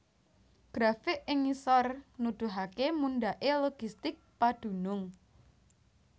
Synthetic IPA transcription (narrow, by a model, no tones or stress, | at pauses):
ɡ̥ɾafɪʔɪŋisɔrnud̪̥ṳɦakemunɖaʔeloɡ̥ist̪ɪk̚pad̪̥ṳnʊŋ